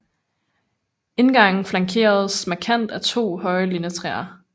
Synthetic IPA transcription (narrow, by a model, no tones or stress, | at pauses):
e̝nɡ̥ɑ̈ŋ̰n̩flɑ̈ŋkʰe̝̰ːɐð̞̩ˠsmækʰæn̰d̥æt͡sʰo̝̰ːhɒ̽ɪəlinət͡sʰʁɛ̰ːɐ